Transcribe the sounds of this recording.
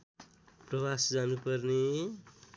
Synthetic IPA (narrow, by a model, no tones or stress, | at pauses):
prʌbasd͡zanupʌrne